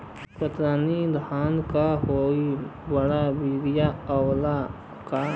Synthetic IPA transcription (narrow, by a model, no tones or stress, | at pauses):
kət̪ɾaːnid̪ʱaːnkaɦoːibəɽabiːɾijawla | ka